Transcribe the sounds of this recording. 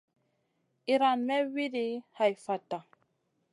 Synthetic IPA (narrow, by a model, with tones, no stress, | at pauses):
i˨ɾa˨nmɛ˦wi˦di˦ha˨jfa˨ta˨